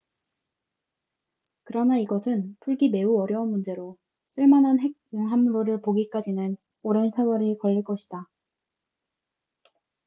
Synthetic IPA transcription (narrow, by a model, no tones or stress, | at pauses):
kɯɾʌnaiɡʌsʰɯnpʰuɭɡime̞uʌɾjʌunmund͡ʑe̞ɾo | s͈ʰɯɭmanɦanɦe̞ɡ̚ɯŋɦamɾoɾɯɭpoɡik͈ad͡ʑinɯn | oɾʌnsʰewʌɾikʌʎːiɭk͈ʌɕʰi̥d̥a